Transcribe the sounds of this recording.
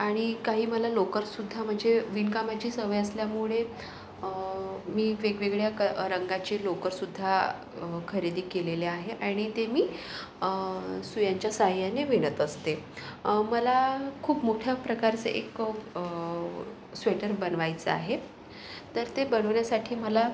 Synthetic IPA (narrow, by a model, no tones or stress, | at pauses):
aɽ̃ikaɦiːməlalokəɾsud̪ʱːam̤əɳd͡zeʋinkamat͡ɕiːsəʋəjəsljamuɭe | miːʋeɡʋeɡɭjakɾəŋɡat͡ɕiːlokəɾsud̪ʱːa | kʰəɾed̪iːkeleleaɦeʔaɽ̃it̪emiː | sujaɲt͡ɕjasaɦjaneʋeɽ̃ət̪əst̪e | məlakʰuːpmoʈʰjapɾəkaɾt͡sə̰ʔḛk | sʋeʈəɾbənʋajt͡səa̰ɦe | t̪əɾt̪ebəɳəʋɳjasaʈʰiːməla